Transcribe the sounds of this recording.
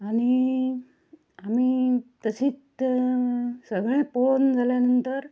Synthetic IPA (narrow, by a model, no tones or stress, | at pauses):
aɽ̃i | amiːt̪əsiːt͡s | səɡɭẽpond͡zʱaljanənt̪əɾ